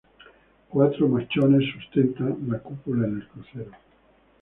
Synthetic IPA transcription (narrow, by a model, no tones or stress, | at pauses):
kwat̪ɾomat͡ʃone̞sːust̪ent̪anlakupulaene̞lkɾuθeɾo